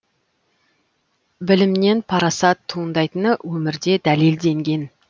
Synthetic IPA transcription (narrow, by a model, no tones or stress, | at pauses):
bɪlɪmne̞npʰɑɾɑsɑt̪ʰːuənd̪ɑjt̪ənəwɵmɪɾd̪e̞d̪ælild̪e̞ŋɡʲe̞n